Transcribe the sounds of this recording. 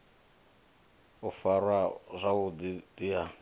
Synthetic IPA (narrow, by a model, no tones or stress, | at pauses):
ʊfarwazʷaʊdidija